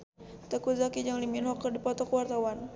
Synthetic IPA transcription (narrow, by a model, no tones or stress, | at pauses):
t̪əkuzakid͡ʒaŋliminhɔkːərdipɔt̪ɔkəwart̪awan